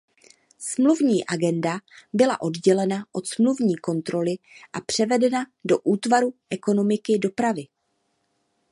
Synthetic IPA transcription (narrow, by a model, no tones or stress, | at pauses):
smluvɲiːʔaɡɛndabɪla̰ʔo̞dɟɛlɛnaʔo̞t̪smluvɲiːko̞nt̪ɾo̞lɪʔapr̝̥ɛvɛdɛnado̞ʔuːt̪vaɾuʔɛko̞no̞mɪkɪdo̞pɾavɪ